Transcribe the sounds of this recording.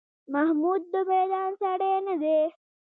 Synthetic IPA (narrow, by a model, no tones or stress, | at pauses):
mɐɦmuːd̪ːupɾeːd̪aːnsɐɽeːnəd̪e